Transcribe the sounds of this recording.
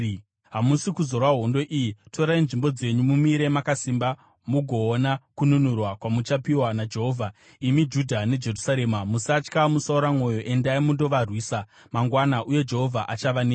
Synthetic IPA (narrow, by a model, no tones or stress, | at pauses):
ɦamusikuzo̞rwaɦo̞ndo̞ʔijitʰo̞ɾainʐimbo̞d͡ze̞ɲumumiɾe̞makasimba | muɡʱo̞ːnakununurwakwamut͡ʃapiwanad͡ʒe̞ɦoːvʱa | imid͡ʒudʱane̞d͡ʒe̞rusaɾe̞ːmamusat͡ʃkamusauɾamo̞jo̞ʔe̞ndaimundo̞ʋarwiːsa | maŋɡwanaʔuje̞d͡ʒe̞ɦo̞vʱaʔat͡ʃaʋaneː